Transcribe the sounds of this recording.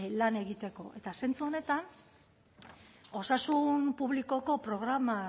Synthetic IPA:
lane̞ɣit̪e̞ko̞ʔe̞t̪ase̞nt͡suo̞ne̞t̪an | o̞sasunpuβliko̞ko̞pɾo̞ɣ̞ɾama

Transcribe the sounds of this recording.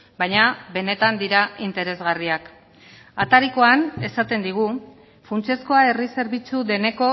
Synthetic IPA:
bajɲaβe̞ne̞t̪and̪iɾaint̪e̞ɾe̞zɣariak | at̪aɾiko̞ane̞sat̪e̞nd̪iɣ̞u | funt͡sie̞sko̞ae̞rise̞ɾβit͡sud̪e̞ne̞ko̞

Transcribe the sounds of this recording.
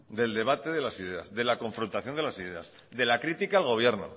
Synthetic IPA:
d̪e̞ld̪e̞β̞at̪e̞ðe̞lasiðe̞a̰zðe̞lako̞ɱfɾont̪aθjo̞nd̪elasiðe̞a̰sd̪e̞lakɾit̪ikaːlɣo̞β̞je̞ɾno̞̰

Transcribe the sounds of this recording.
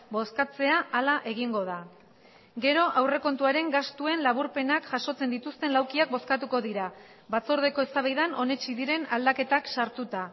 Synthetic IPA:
bo̞skat͡se̞aːlaʔe̞ɣ̞iŋɡo̞ða | ɡe̞ɾo̞ʔawre̞ko̞nt̪uaɾe̞ŋɡast̪ue̞nlaβuɾpe̞nakʝaʃo̞t͡se̞nd̪it̪ust̪e̞nlawkiak̚bo̞skat̪uko̞ðiɾa | βat͡so̞ɾð̞e̞ko̞e̞st̪aβajðano̞ne̞t͡ʃiðiɾe̞nald̪ake̞t̪aksaɾt̪ut̪a

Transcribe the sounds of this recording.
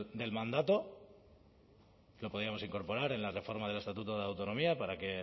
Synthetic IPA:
d̪e̞lmãnd̪at̪o̞ | lo̞poðiamo̞siŋko̞ɾpo̞ɾaɾe̞nlare̞fo̞ɾmað̞e̞le̞st̪at̪ut̪oð̞awt̪o̞no̞miapaɾake̞

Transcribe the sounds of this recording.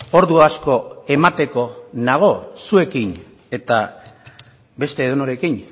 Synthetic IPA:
o̞ɾðuasko̞e̞mat̪e̞ko̞naɣ̞o̞sue̞kin | e̞t̪a | be̞st̪e̞ːðonoɾe̞kin

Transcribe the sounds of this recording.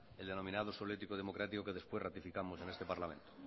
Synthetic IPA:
eld̪enõ̞mĩnað̞osoβljet̪ikoð̞e̞mo̞kɾat̪iko̞ke̞ð̞espwerat̪ifikamose̞ne̞st̪e̞paɾlamẽ̞nt̪o

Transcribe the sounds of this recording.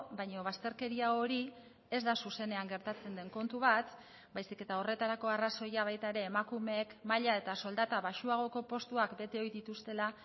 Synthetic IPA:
baɲo̞β̞ast̪e̞ɾke̞ɾiaoɾi | e̞zd̪asuse̞ne̞aŋɡe̞ɾt̪at͡se̞nd̪e̞ŋko̞nt̪uβat̪ | bajsike̞t̪ao̞re̞t̪aɾako̞araso̞jaβ̞ajt̪aeɾe̞ːmakume̞ːkmaʎae̞t̪aso̞ld̪at̪aβaʃuaɣ̞o̞ko̞po̞st̪uakbe̞t̪e̞o̞jðit̪ust̪e̞la

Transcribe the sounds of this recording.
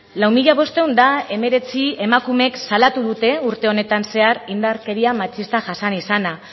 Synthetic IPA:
lawmiʎaβ̞o̞st̪e̞wnd̪ae̞me̞ɾe̞t͡sie̞makume̞ksalat̪uðut̪e̞uɾt̪e̞o̞ne̞t̪anse̞aɾind̪aɾke̞ɾiamat͡ʃist̪aʝasanisana

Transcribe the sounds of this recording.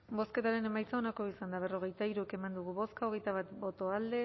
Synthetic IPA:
bo̞ske̞t̪aɾe̞ne̞majt͡saonako̞isand̪aβ̞e̞roɣ̞e̞jt̪aiɾueke̞mand̪uɣ̞uβo̞skaoɣ̞e̞jt̪aβat̪bo̞t̪o̞ald̪e

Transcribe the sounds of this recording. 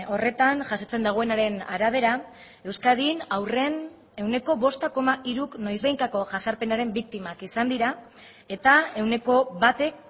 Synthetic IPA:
o̞re̞t̪anʝasot͡se̞nd̪aɣ̞oe̞naɾe̞na̰ɾaβ̞e̞ɾa | e̞wskaðinawre̞n | e̞wne̞ko̞βo̞st̪ako̞maiɾuknojzβejŋkako̞ʝasaɾpe̞naɾe̞mbik̚t̪imakisand̪iɾa | e̞t̪ae̞wne̞ko̞βat̪e̞k̚

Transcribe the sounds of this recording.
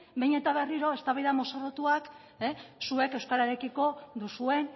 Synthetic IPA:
bejɲe̞t̪aβe̞riɾo̞e̞st̪aβajðamo̞sorot̪uak | esue̞kewskaɾaeɾe̞kiko̞ðusue̞n

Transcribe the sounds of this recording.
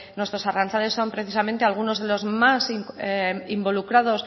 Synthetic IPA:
nwe̞st̪ɾo̞saransale̞sːo̞mpɾe̞θisamẽ̞nt̪e̞alɣ̞uno̞zðe̞lo̞zmasi | imbo̞lukɾaðo̞s

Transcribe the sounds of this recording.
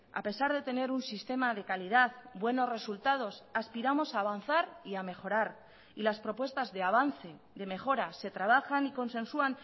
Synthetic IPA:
a̰pe̞saɾð̞e̞t̪e̞ne̞ɾunsist̪e̞maðe̞kaliðaðbwe̞no̞zre̞sult̪að̞o̞saspiɾamo̞saːβ̞an̟θaɾiame̞xo̞ɾaɾ | ilaspɾo̞pwe̞st̪azðe̞aβ̞anθe̞ | ðe̞me̞xo̞ɾase̞t̪ɾaβ̞axaniko̞nsẽ̞nsuan

